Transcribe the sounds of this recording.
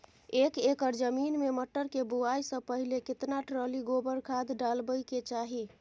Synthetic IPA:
ekekəɾd͡ʒəminmeməʈːəɾkebuajsə̃pəɦilekɪt̪naʈɾəliɡobəɾkʰad̪ɖalbəjket͡ʃaɦi

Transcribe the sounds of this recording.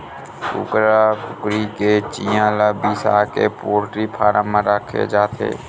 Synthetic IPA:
kʊ̰kɾapʊkɾiket͡ʃijãːlabisa̰ːkepoːɾʈɾipʰaːɾãmãɾəkʰːḛd͡ʒaːt̪ʰḛː

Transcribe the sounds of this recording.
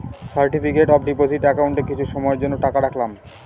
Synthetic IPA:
saɾʈipikeʈɔbɖiposiʈɛkawɳʈekit͡ɕʰuʃɔmɔeɾd͡ʑonːoʈakaɽakʰlam

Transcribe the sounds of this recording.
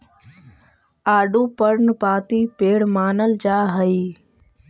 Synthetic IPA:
aːɖuːpəɾnpaːt̪iːpeːɽmaːnəld͡ʒaːɦəiː

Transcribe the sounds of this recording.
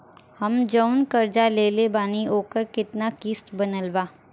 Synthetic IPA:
hɐmd͡ʒəʊnkɐɾd͡ʒaleːlebaːnioːkəɾkɪt̪nakiːsʈbɐnəlbaː

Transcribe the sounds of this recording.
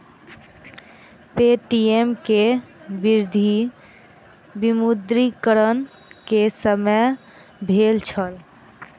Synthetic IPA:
peʈiemkebiɾd̪ʱi | bimud̪ɾikəɾən | kesəmə | bʱelt͡ʃʰəl

